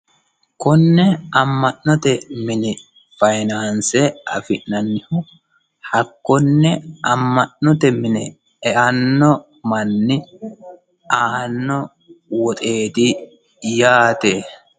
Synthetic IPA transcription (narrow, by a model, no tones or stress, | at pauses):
kʊnːɛɐmːɐʔnɔt̪ɛmɪnɪ | fɐjnaːnsɛɐ̰fɪʔnɐnːɪhɔ | hɐkːɔnːɛɐmːɐʔnɔt̪ɛmɪnɛ | ɛʔɐnːɔ | mɐnːɪ | aːnːɔ | wɔt̪ʼe̞ːt̪ɪ | jaːt̪eː